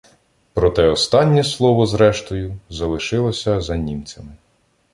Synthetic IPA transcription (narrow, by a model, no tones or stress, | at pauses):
pɾɔt̪ɛɔst̪ɑnʲːɛslˠɔʋɔzɾɛʃt̪ɔjʊzɐlˠɪʃɪlˠɔsʲɐzɐnʲimt͡sʲɐmɪ